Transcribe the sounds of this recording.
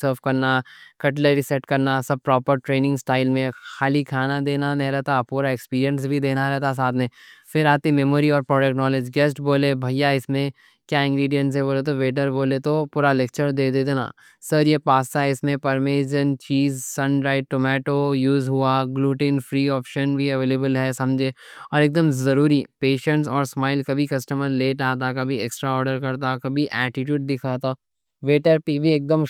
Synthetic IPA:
səɾʋkɐɾnakɐʈleɾisɛʈkɐɾnasɐb̚pɾɔːpəɾʈɾeːnɪ̃ŋɡsʈaːɪlmẽxaːlikʰaːnad̪eːnanɐɦĩɾɛɦt̪apuːɾaekspiːɾijə̃ns̬bʱid̪eːnaɾɛɦt̪as̬aːt̪ʰmẽfɪɾaːt̪imɛmoːɾiɔːɾpɾɔːɖɛk̚ʈnɔːled͡ʒɡɛːsʈboːlebʱɐijaɪsmẽ | kjaːɪ̃ŋɡɾiːɖijə̃ɳʈsɦɛboːlet̪̬oʋeːʈəɾboːlet̪opuːɾaleːk̚t͡ʃəɾd̪eːd̪eːd̪ena̰ | sɐɾjepaːst̪aɦɪsmẽpɐɾmeːd͡ʒənt͡ʃiːzsɐ̃nɾaːɪʈ̚ʈoːmɛːʈojuːzɦʊaɡluːʈĩːnfɾiːɔːpʃənbʱiɐʋeːleːbəlɦɛsɐ̃md͡ʒʱeː | ɔːɾeːk̚d̪əmzɐɾuːɾipeːʃə̃ɳʈsɔːɾsmaːɪlkɐbʱikɐsʈəməɾleːʈaːt̪̬akɐbʱieksʈɾaɔːɾɖəɾkɐɾt̪akɐbʱiʔɛːʈɪʈjuːɖ̚d̪ɪkʰaːt̪a | ʋeːʈəɾpibʱieːk̚d̪əm

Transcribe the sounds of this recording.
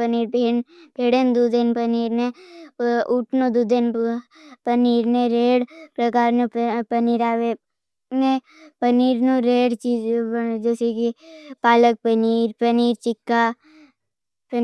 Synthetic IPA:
əniːɾpeːnpʰeːɽend̪uːd̪ɪnpəniːɾne | ʊʈʰnõd̪uːd̪en | pəniːɾnẽɾeːɽpɾəkaːɾnũpəniːɾaːʋe | nẽ | pəniːɾnũɾeːɽt͡ʃiːd͡ʒesekipaːlək̚pəniːɾpəniːɾt͡ʃɪkːaː | p

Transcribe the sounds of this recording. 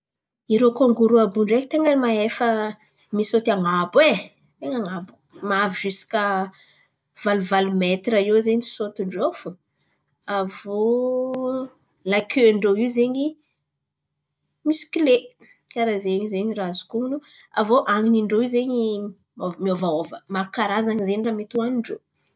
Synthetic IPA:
iɾokoŋɡuɾuabuɳɖ͡ʐekit̪eŋənmaefə | misot̪iaŋabwe | t̪eŋaŋabu̥ | maviʒ̥isi̥kə | v̥aluvalumet̪ɾaewzeɲisot̪uɳɖ͡ʐofu | avo | lajkʰøɳɖ͡ʐoiwzeɲi | misi̥kile | kaɾazeɲizeɲirazu̥kunu | avoʔaŋiniɳɖ͡ʐowizeɲi | omiovaovəmaɾukaɾazaɲizeɲiramet̪uaniɳɖ͡ʐo

